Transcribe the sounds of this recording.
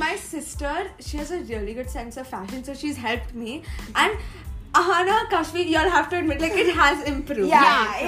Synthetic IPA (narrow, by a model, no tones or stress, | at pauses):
maɪsɪsʈəɾʃiɦæzəɾiəliɡʊɖsɛ̃nsɔfæʃə̃nsoʃizɦɛlp̚ʈmiʔæ̃ɳɖaɦãnəkaʃmijulɦæfʈuəɖ̚mɪʈlaɪkɪʈɦæzɪ̃mpɾuːvja